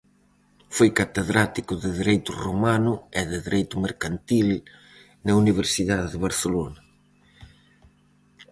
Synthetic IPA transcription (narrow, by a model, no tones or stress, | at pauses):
fojkat̪eðɾat̪ikʊðɪðiɾejt̪ʊromanʊɛðɪðiɾejt̪ʊmeɾkant̪il | nɐuniβ̞eɾsiðaðeðɪβaɾθelonɐ